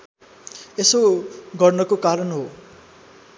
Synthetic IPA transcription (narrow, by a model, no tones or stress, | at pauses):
esoɡʌrnʌkokaɾʌnɦo